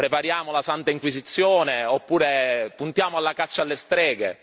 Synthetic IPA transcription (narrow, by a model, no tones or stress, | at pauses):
pɾepaɾjaːmolasant̪aiŋkwizit̪sːjoːneopːuːɾepunt̪jaːmoalːakat͡ʃːalːest̪ɾɛːɡḛ